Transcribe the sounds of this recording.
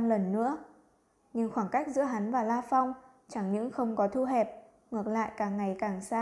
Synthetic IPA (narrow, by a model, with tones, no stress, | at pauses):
mlə˨˩nːɨ̰˧˥ə | ɲɨ˧ŋxwaː˧˩ŋka˦˥jk̚zɨ̰˧˥əɦa˨˦nvaː˨˩laː˧fa˧wŋ͡m | t͡ɕa˧˩ŋɲɨ̰˧˥ŋxə˧wŋ͡mkɔ˨˦t̪ʰu˧ɦɛ˨˩p̚ | ŋɨ˨˩ək̚la̰ː˧˨jkaː˨˩ŋːa˨˩jkaː˨˩ŋsaː˧